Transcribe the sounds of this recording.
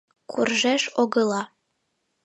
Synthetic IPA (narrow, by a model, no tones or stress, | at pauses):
kʰurʒeʃoɣɤ̆lˠɑ